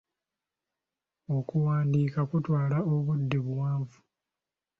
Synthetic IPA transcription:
o̞kuwaːndiːkakutwaːlaoβudːeβwaːɱvu̥

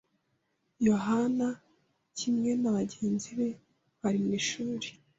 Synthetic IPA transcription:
jo̞ɦana | cʰimŋe̞naβaɟe̞ːnziβe̞ | βaɾimiːʃuːɾe̥

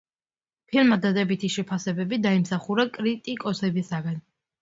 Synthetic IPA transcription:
pʰilˠmad̪ad̪ɛbit̪ʰiʃɛpʰasɛbɛbid̪aimsaχuɾakʼɾit̪ʼikʼɔsɛbisaɡan

